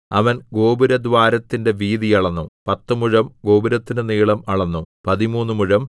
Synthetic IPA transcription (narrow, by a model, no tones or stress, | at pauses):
ɐʋɐnɡo̞ːbuɾɐd̪ʋaːɾɐt̪ːinde̞ʋiːðijɐɭɐnːupɐt̪ːumuɻɐmɡo̞ːbuɾɐt̪ːinɨniːɭɐmɐɭɐnːupɐðimuːnːumuɻɐm